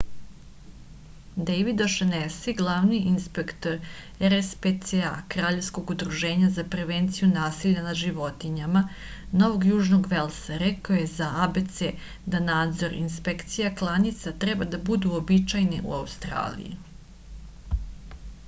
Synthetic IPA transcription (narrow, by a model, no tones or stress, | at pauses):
d̪ejʋid̪oʃanesiɡlˠaːʋniinspekt̪o̞ɾ | ɛɾespet̪sea̰kɾaːʎe̞fsko̞ɡud̪ɾuʒe̞ːɲazapɾe̞ʋeːnt̪sijunaːsiʎanadʒiʋo̞t̪iɲama | no̞ʋo̞ɡjuːʒnoɡʋelˠsaɾekaojezaabet̪se | d̪anaːd̪zo̞ɾḭnspekt̪sijaklˠanit̪sat̪ɾebad̪abud̪uobit͡ʃajnḭʔṵaust̪ɾa̰ːlḭjḭ